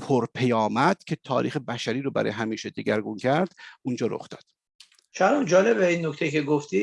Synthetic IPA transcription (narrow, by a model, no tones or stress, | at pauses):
pʰoɾpʰejɒːmæd̪̥cʰe̞t̪ʰɒ̰ːɾḭːxebæʃæɾiːɾoːbæɾɒ̰ːjeɦæmiːʃed̪eɡæɾɡuncʰæɾd̪̥und͡ʒɒːɾo̞̰χd̪ɒːd̪̥ | t͡ʃʰæɾɔmd͡ʒɒːlebeinːoct̪ejceɡoft̪i